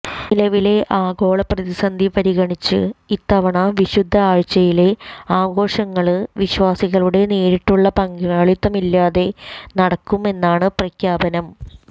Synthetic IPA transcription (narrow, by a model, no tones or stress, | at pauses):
nilɐʋile̞ʔaːɡo̞ːɭɐprɐðisɐnd̪ʱipɐɾiɣɐɳit͡ɕːɨ̰it̪ːɐʋɐɳɐʋiɕud̪ʱːɐaːɻt͡ɕːɐjile̞aːɡo̞ːʂɐŋːɐɭɨʋiɕʋaːsiɣɐɭuɽe̞neːɾiʈːuɭːɐpɐŋɡuŋaːɭit̪ːɐmilːaːðe̞nɐɽɐkːume̞nːaːɳɨprɐkjaːbɐnɐm